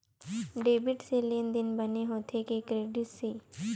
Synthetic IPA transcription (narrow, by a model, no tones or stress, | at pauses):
ɖeːbɪʈseleːnd̪ɪnbəneɦoːt̪ʰekekɾeːɖɪʈseː